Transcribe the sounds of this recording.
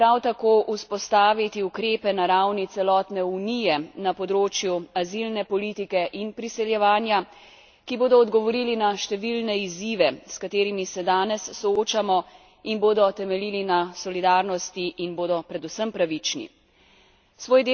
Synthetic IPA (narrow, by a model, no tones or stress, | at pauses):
pɾawt̪akoːʔuspɔst̪aːʋit̪iukɾeːpɛnaɾawnit̪sɛlɔːt̪nɛunijɛnapɔd̪ɾoːt͡ʃjuazilnɛpɔliːt̪ikɛʔinpɾisɛljɛʋaːnja | kiboːd̪ɔːd̪ɡɔʋɔɾiːlinaʃt̪ɛʋilnɛiziːʋɛskat̪eːɾimisɛd̪aːnɛsːɔoːt͡ʃamɔ | inboːd̪ɔt̪ɛmɛlilinasɔlid̪aːɾnɔst̪iʔːnboːd̪ɔpɾɛd̪usəmpɾaʋit͡ʃnḭ | sʋoːjd̪e